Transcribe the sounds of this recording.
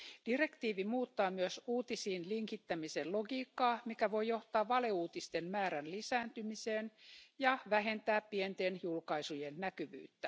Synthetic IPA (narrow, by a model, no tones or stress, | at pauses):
d̥ire̞kt̪iːʋimuːt̪ːɑːmyøsuːt̪isiːnliŋkit̪ːæmiselloɡiːkːɑːmikæʋo̞jjo̞ht̪ɑːʋʋɑleuːt̪ist̪enmæːɾænlisæːnt̪ymiseːnjɑʋæɦe̞nt̪æːppient̪enjulkɑisujenːækyʋy̰ːt̪ːæ